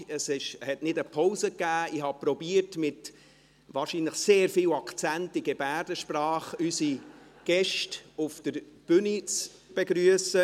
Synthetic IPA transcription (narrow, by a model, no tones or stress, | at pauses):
əsɪʃhɛtnɪdəpʰɔʊzəkːæːɪhɑpɾɔbiːərtmɪt | ʋɑːrʃinləχseːɾfiwɑkt͡sæntɪɡɛbæːɾdəʃprɑːχysi | ɡ̥ɛʃtʊfd̥əɾb̥ʏnit͡s | b̥eɡɾyəsə